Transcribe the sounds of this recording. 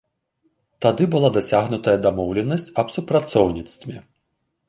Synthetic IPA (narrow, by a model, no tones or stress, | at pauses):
t̪ad̪ɨbulˠad̪ɐsʲaɣnʊt̪ɐjɐd̪amɔwlʲɛnːɐsʲt͡sʲɐbsupɾɐt̪sɔwnʲit̪st̪vʲi